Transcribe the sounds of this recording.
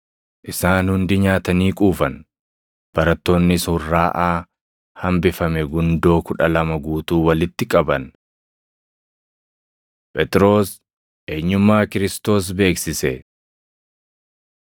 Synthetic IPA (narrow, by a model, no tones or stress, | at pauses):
ʔɪsaːnhʊnd̪ɪɲaːt̪ɐniːkʼuːfɐn | b̥ɐɾɐt̪ːo̞ːnːɪshʊrːaːʔaː | hɐmbɪfɐmɛɡʊnd̪o̞ːkʊᶑɐlɐmɐɡuːt̪uːwɐlɪt̪ːɪkʼɐbɐn | pʼɛt̪ʼɾo̞ːs | ʔe̞ːɲːʊmːaːkɪɾɪst̪o̞ːs̬be̞ːksɪsɛ